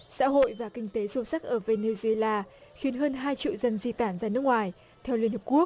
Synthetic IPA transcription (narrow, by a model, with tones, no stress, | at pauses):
sa̰ː˧˥ɦo̰˧˨jvaː˨˩kï˧ŋ̟t̪e˨˦so˨˦sa˦˥k̚ʔəː˧˩ve˧ni˧zlaː˧xi˨˦ənɦəː˧nɦaː˧jt͡ɕḭ˧˨wzə˧nzi˧t̪aː˧˩nzaː˧nɨ˦˥ək̚ŋwaː˨˩j | t̪ʰɛ˧wli˧ənhə˨˩p̚ku˦˥ək̚